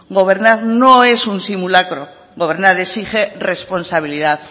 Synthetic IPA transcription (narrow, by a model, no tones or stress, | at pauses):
ɡo̞βe̞ɾnaɾnoe̞sunsimulakɾo̞ | ɡo̞β̞e̞ɾnaɾesiχe̞re̞spo̞nsaβ̞iliðaθ